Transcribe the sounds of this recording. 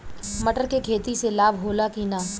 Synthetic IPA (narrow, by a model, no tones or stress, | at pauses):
mɐʈəɾkekʰeːt̪iselaːbʱɦoːlakiːnaː